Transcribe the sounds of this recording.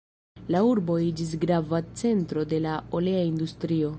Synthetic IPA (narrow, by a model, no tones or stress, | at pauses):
lauɾbo̞id͡ʒis̬ɡɾavat͡se̞ntɾo̞de̞laole̞aindustɾio̞